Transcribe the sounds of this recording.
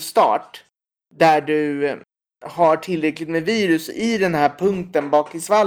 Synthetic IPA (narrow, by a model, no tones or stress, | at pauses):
st̪ɑ̰ːʈ | d̪æɖɵ | hɑʈʰɪlːɾɛklɪɡ̚t̪meːviːɾɵsɪd̪ɛnɦæːɾpʰɵŋk̚t̪ənbɑːkɪsval